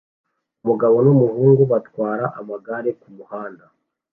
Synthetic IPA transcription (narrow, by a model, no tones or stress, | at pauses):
umuɡaβo̞numuhuːŋɡuβatwaːɾaʔamaɡaɾe̞kumuhaːnda